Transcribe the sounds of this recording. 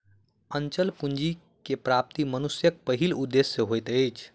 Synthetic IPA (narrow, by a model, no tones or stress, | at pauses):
ənt͡ʃəlpund͡ʒi | kepɾap̚t̪imənusjək̚pəɦilud̪ːesːeɦojt̪əjt͡ʃʰ